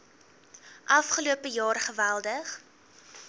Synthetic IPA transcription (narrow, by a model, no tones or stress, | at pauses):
ʔɐfχəluəpəjɑːrχəvælˠdəχ